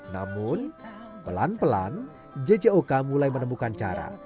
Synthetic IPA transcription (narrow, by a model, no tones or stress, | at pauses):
na̰mʊn | pəla̰npəla̰n | d͡ʒed͡ʒeokamulajmənəmukant͡ʃa̰ɾa̰